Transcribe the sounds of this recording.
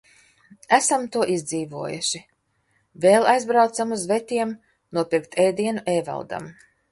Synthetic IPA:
æsamt̪uɔʔizd̪ziːvuɔjṵʃi | veːlˠajzbɾawt̪samuzvɛt̪ʲiɛm | nuɔpiɾk̚t̪ʰɛjd̪iɛnuʔɛva̰lˠd̪a̰m

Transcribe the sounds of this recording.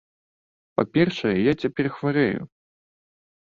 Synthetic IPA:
pa̰pʲɛrʂɐjɛjat͡sʲapʲɛrxvaɾɛjṵ

